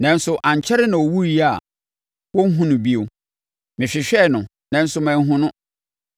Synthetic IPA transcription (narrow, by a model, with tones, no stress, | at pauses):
nã˨˦n̩˦sʊ˨ʔã˨ɲ˨t͡ɕʰɛ˦ɾɪ˦nã˨ɔ˨wu˦i˨˦a˨ | wɔ˦ŋ̩˦ɦũ˦nʊ̃˨bi˦o˨ | mɪ̃˨ɕᶣɪ˨ɕᶣɛ˦˨nʊ̃˨ | nã˨n̩˦sʊ˦mɛ̃˦ɦʊ̃˦nʊ̃˦